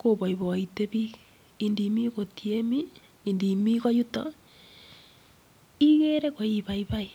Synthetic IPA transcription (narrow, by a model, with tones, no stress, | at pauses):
koβa˨i˨βɔ˨i˨te˦βi˦ | indi˨mi˦ɣo˨tie˦miː˦ | ndi˨mi˦ɣɔ˦ju˦tɔ̰ | i˦ɣe˦ɾe˦ɣo˨i˦βa˨iβa˦i˨